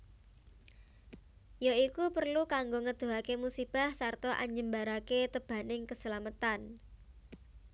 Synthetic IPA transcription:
jaikupərlukaŋɡoŋəd̪̥o̤ɦakemusib̥a̤hsart̪ɔʔa̰ɲd͡ʒəmbaɾaket̪əb̥a̤nɪŋkəsəlamət̪an

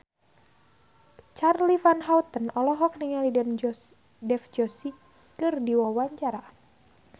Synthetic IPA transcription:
t͡ʃarlifanɦawt̪ənɔlɔɦɔk̚niŋalidɛn | dɛfd͡ʒɔsi | kɨrdiwawaɲt͡ʃaɾa

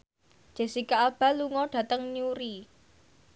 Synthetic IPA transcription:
d̥ʒ̥ɛ̤sikaab̥a̤luŋɔɖ̥ä̤t̪əŋniuɾi

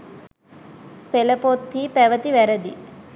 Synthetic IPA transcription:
pelɐpot̪ʰːipeʋɐt̪iʋɛɾɐd̪i

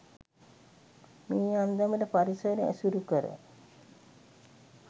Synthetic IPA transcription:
miːand̪amələpaɾisəːneæ̰suɾukəɾə̰

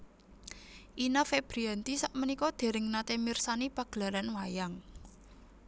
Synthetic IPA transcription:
ʔinafeb̥ɾiant̪isaʔmənikɔd̪̥e̤ɾɪŋnat̪emirsanipaɡ̥la̤ɾanwajaŋ

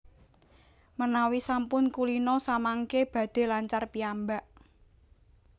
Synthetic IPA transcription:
mənawisampʊnkulinɔsamaŋkeb̥ä̤d̪̥e̤laɲt͡ʃarpiambaʔ

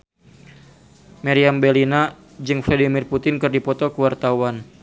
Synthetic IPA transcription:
maɾiambɛlina | d͡ʒɨŋfladimirput̪ɪnkɨrdipɔt̪ɔkəwart̪awan

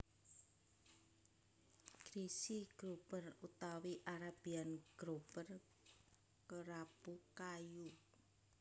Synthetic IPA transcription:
ɡ̥ɾisiɡ̥ɾopərut̪awiʔaɾab̥ianɡ̥ɾopər | kəɾabukaju

